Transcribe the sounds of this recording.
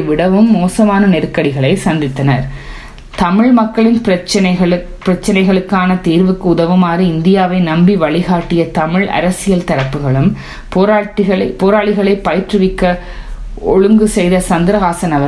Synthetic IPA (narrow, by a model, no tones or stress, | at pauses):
ʋɪɽɐʋɯmːoːsɐmaːnɐnɛɾɯkːɐɽɪɣɐɭɐɪsɐnd̪ɪt̪ːɐnɐɾ | t̪ɐmɪɭmɐkːɐɭɪnpɐɐɐɐɭ | pɪɾɐt͡ʃːɐnɐɪɣɐɭɯkːaːnɐt̪iːɾʋɯkːɯʊðɐʋɯmaːɾɯɪnd̪ɪjaːʋɐɪnɐmbiʋɐɭɪɣaːʈːɪjɐt̪ɐmɪɭʔɐ̰ɾɐsɪjɐlt̪ɐɾɐpːɯɣɐɭɯm | poːɾaːʈːɪɣɐɭɐpoːɾaːɭɪɣɐɭɐɪpːɐjɪʈrɯʋɪkːɐ | ɔɻɯŋɡɯsɛjðɐsɐnd̪ɪɾɐɣaːsɐnɐʋɐ